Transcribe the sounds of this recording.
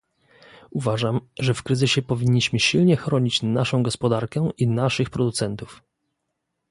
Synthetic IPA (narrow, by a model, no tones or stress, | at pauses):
uvaʐamʐɛfkɾɘzɘɕɛpɔvʲiɲːiɕmɘɕilɲɛxɾɔɲit͡ɕnaʂɔ̃w̃ɡɔspɔd̪aɾkɛʔinaʂɘxpɾɔd̪ut̪sɛnt̪uf